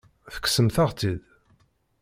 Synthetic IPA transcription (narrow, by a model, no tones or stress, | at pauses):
θə̥ksəmθaʁt͡sið